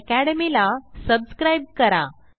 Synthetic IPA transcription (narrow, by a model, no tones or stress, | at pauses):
kæɽəmilasəbskɾajb̚kəɾa̰